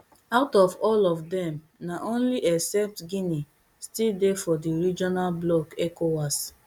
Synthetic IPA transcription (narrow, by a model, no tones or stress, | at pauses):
aʊtɔvɔlɔvdɛ̃m | naʔõnliʔɛksɛp̚tɡini | stildefɔdiɾid͡ʒɔnalblɔkɛkowas